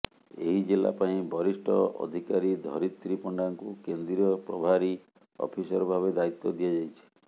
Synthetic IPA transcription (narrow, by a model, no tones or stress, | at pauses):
ḛɦid͡ʒela̰paĩbɔɾisʈʰɔ̰ɔ̰d̪ʱikaɾid̪ʱɔ̰ɾit̪ɾipɔɳɖaŋkukend̪ɾiɔpɾɔbʱaɾi | ɔ̰pʰisɔɾɔbʱaβed̪ait̪ːɔd̪ijad͡ʒajt͡ʃʰi̥